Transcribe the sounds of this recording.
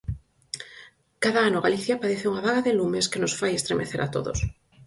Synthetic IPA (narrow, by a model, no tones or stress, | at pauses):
kaðaanoɣ̞aliθjapaðeθeuŋaβaɣaðelumeskenosfajest̪ɾemʔeθeɾʔa̰t̪o̰ðo̰s